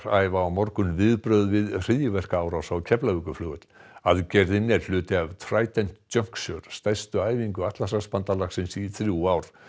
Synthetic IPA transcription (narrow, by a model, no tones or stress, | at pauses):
ɾajvaːwmɔɾkʏnvɪðpɾœɥðvɪðr̥iðjʏvɛr̥kaaːwɾawsawcʰɛplavʏkʏflʏːɣɛt̪l̥aðcɛɾðɪnːɛɾ̥l̥ʏːt̪ɪavt̪ʰɾaːjt̪ɛn̥t̪ːœŋ̥ksœɾ̥st̪ajst̪ʏaːjviŋkʏat̪lasaspant̪alaxsɪnsiθɾjuwaːwɾ̥